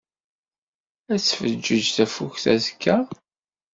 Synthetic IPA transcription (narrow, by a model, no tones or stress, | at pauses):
æsfəd͡ʒːəd͡ʒθæfuçθæzkʰːæ